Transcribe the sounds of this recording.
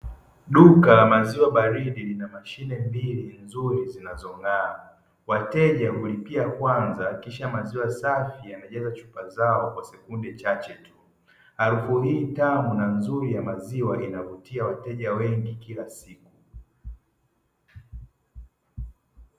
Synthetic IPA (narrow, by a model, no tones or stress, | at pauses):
ɗukalamaziwaɓaɾiɗilinamaʃinɛmbilinzuɾizinazɔŋɡaː | watɛʄahulipiakwanzakiʃamaziwasafijanaʄɛzat͡ʃu̥pazaɔkwasɛkundɛt͡ʃat͡ʃɛtʰu | aɾufuɦiːtanɔnanzuɾijamaziwaʔinavutiawatɛʄawɛŋɡikilasiku̥